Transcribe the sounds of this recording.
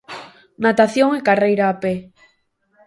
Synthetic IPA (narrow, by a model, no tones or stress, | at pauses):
nat̪aθjoŋekarejɾaːpe